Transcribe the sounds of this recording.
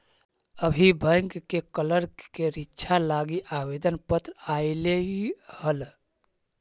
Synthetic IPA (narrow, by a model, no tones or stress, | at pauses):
əbʱibʱəjŋɡkekələɾkeɾitːt͡ʃʰalaɡiʔabed̪ənpət̪ɾaileihəl